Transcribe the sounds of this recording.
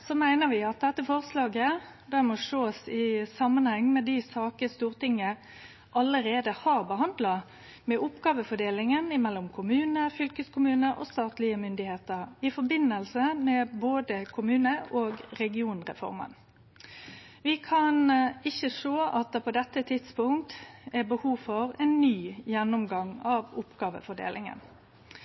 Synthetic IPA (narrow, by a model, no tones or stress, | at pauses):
sɔmæɪnəʋɪɑt̪̚d̪ɛt̪ːəfɔʁslɑːɡə | d̪æmɔʂoːsɪsɑmːənhɛŋːmɛd̪ɪsɑːkəst̪uːʁt̪ɪŋːə | ʔɑləɾeːd̪əhɑːʁbəɦɑnd̪lɑ | mɛʔʊpːɡɑːʋəfɔɖeːlɪŋənɪmɛlːɔmkʰʊmʉːnəfʏlkəskʊmʉːnəʔɔ̰ːst̪ɑːt̪lɪəmʏnd̪ɪheːt̪əɾɪfɔɾbɪnːəlsəmɛboːd̪əkʰʊmʉːnəoːɡɾɛɡɪuːnʁɛ̰fɔ̰ɾmə̰n | ʋɪkʰɑnɪçəʂoːʔɑt̪əpʰɔd̪ɛt̪ːət̪ʰɪt̪spʊŋk̚t̪æbəhuːfɔɾɛnːyːjɛnːʊmɡɑŋɑʋʊpɡ̥ɑːʋə̰fɔɖḛːlʔɪ̰ŋə̰n